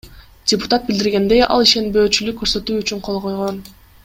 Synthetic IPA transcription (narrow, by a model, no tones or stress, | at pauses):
d̥ʲɪpʊ̥t̪at̪̚bild̪iɾɡe̞nd̪e̞jʔɑ̰lˠiʃe̞nbø̞ːt͡ʃylykːøɾsø̞t̪yːyt͡ʃyɴqʰo̞lˠʁo̞jʁo̞n